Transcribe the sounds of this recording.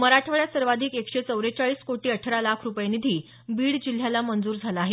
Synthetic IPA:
məɾaʈʰʋəɭjasəɾʋad̪ʱiːkekʂet͡səwɾet͡saɭiːskoʈiːəʈʰəɾalakʰɾupjenid̪ʱiː | biːɽd͡ʑil̤jalamənd͡zuːɾd͡zʱalaaɦe

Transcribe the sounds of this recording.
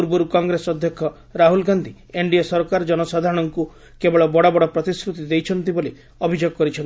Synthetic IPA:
uɾbɔɾukɔŋɡɾesɔd̪ʱjɔkʰːɔ | ɾaɦulɡand̪ʱi | eɳɖiesɔɾɔkaɾɔd͡ʒɔnɔsad̪ʱaɾɔɽ̃ɔŋku | kebɔɭɔbɔɽɔbɔɽɔpɾɔt̪iskɾut̪id̪ejt͡ʃʰɔnt̪ibole | ɔbʱid͡ʒoɡɔkɔɾit͡ʃʰɔnti

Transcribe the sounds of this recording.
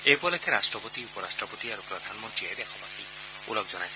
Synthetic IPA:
ebɔlekʰeɾasʈɾɔpot̪iupɔɾasʈɾɔpot̪iaɾupɾɔd̪ʱanɔmɔnt̪ɾiɔd̪ekʰɔbak̪i | ṵlɔkd͡ʒɔnajsʰ

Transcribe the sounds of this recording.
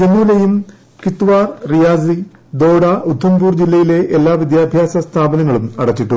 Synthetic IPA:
d͡ʑenulɐjum | kit̪ːuʋaːrrijaːzi | d̪o̞ːɽɐʔud̪ʰʱːɐmbuːrd͡ʑilːɐjile̞ʔelːaːʋid̪jaːbʱjaːsɐst̪ʰaːbɐnɐŋːɐɭumɐɽɐt͡ɕːiʈːu

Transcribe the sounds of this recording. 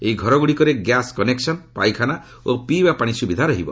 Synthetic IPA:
eiɡʱɔɾɔɡuɽikɔɾeɡjaskɔneksɔnpajkʰana | opibapaɽ̃isubid̪ʱaɾɔɦibɔ̰

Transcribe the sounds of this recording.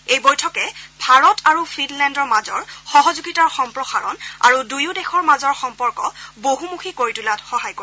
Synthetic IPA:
ejbɔjtʰɔkɛbʱaɹɔtʰaɹufʰinlɛndɔɹmazɔɹxɔɦɔzuɡitaɹxɔmpɹɔxaɹɔna̰ɹudujudɛxɔɹmazɔɹxɔmpɔɹkɔboɦumukʰikoɹitulatxɔɦajko

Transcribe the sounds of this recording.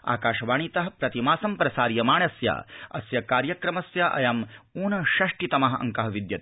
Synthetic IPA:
a̰ːkaːʃɐʋaːɳit̪ɐɦɐpɾɐt̪imaːsɐmpɾɐsaːɾijɐmaːɳɐsja̰ːɐsjɐkaːɾjɐkɾɐmɐsjɐʔɐ̰jamuːnɐʃɐʂʈit̪ɐmɐɦɐʔɐ̰ŋkɐɦɐʋid̪jɐt̪

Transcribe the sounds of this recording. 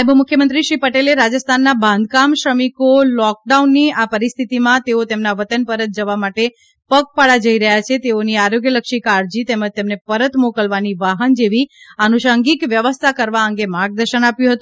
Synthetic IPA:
bmʊkʰjəmə̃nt̪ɾiʃʋipəʈeleɾad͡ʒəst̪ʰanːabʱãnd̪̚ʱkamʃɾəmikolɔk̚ɖaunːiapəɾist̪ʰit̪imãt̪eot̪emnaʋət̪ənpəɾət̪̚d͡ʒəʋamaʈe | pək̚paɭad͡ʒəiɾəɦjat͡ʃʰet̪eoniaɾoɡjələkʃikaɾd͡ʒit̪eməd͡ʒt̪emnepəɾət̪mokəlʋaniʋaɦənd͡ʒeʋiənuʃəŋɡikʋjəʋəst̪ʰakəɾʋaəŋɡemaɾɡ̚d̪əɾʃənapjũɦət̪ũ

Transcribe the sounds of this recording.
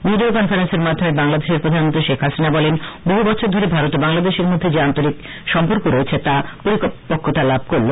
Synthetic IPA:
biɖiokɔnfaɾenseɾmad̪ʱːomebaŋlad̪eʃeɾpɾod̪ʱanmont̪ɾiʃekʰɦasinabɔlenboɦubɔt͡ɕʰoɾd̪ʱoɾebʱaɾot̪obaŋlad̪eʃeɾmod̪ʱːed͡ʑeant̪oɾik | ʃɔmpoɾkoɾoet͡ɕʰet̪apoɾikpokʰːot̪alab̚ʱkoɾlo

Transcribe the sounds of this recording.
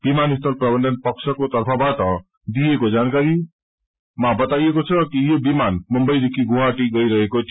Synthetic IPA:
b̥imanist̪ʌlprʌbʌnd̪ʌnpʌksʰʌkot̪ʌrpʰʌbaʈʌ | d̪ijekod͡zankaɾi | mabʌt̪ajekot͡sʰʌkijobimanmumbʌjd̪ekʰiɡoɦaʈiɡʌjɾʌɦekot̪ʰ

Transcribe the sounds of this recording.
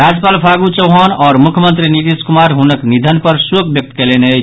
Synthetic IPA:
ɾad͡ʒəpalpʰaɡut͡ʃəʊɦanɔːɾmukʰjəmənt̪ɾinit̪iskumaɾɦunəknid̪ʱənpəɾsukbjək̚t̪kelenə

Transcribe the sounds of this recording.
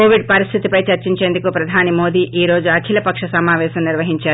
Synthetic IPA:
koːʋiɖ̚pɐɾist̪ʰit̪ipɐjt͡ʃɐɾt͡ʃiɲt͡ʃe̞ːnd̪ukupɾɐd̪ʱaːnimo̞ːd̪iːʔiːɾo̞ːd͡ʒuɐkʰilɐpɐkʂɐsɐmaːʋɛːʃɐmniɾʋɐɦiɲt͡ʃaːɾu

